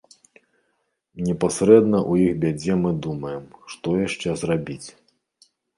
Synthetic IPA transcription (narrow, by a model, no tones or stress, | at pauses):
nʲɛpasɾɛd̪nɐʔujixbʲad͡zʲɛmɨd̪umɐjɛmʂt̪ɔjaʂt͡ʂɛzrabʲit͡sʲ